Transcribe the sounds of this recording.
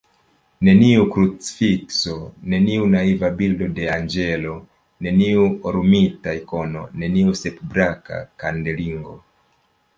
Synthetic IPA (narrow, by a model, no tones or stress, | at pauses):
ne̞niukɾut͡si̥fikso̞ne̞niunaivabildo̞de̞and͡ʒe̞lo̞ | ne̞niuoɾumitajko̞no̞̰ne̞niuse̞pbɾaka̰kande̞liŋɡo̞̰